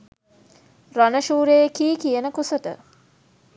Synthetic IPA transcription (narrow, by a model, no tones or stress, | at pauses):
ranəʃuːɾejkiːkijənəkusət̪ə̰